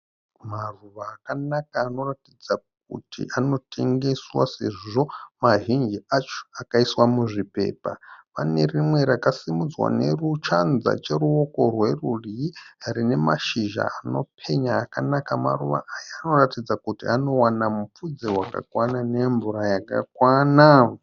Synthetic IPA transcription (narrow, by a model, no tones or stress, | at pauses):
maruʋaːkanakaːno̞ratid͡zak̚ṵtḭʔano̞tʰe̞ŋɡe̞swa̰se̞ʐiʐo̞maɦind͡ʒiat͡ʃo̥akaiswamuʐipe̞̰ːpa̰pane̞rimwe̞ɾakasimud͡zwa̰ne̞̰rut͡ʃanza̰t͡ʃe̞ɾuwo̞ko̞rwe̞ruriaɾine̞maʃiʒa̰ano̞̰pʰe̞ɲaːkanakama̰ruʋa̰ʔajaːno̞ratid͡zakutiano̞wanamup͡fud͡zewaka̰kwanane̞ɱvuɾajakakwana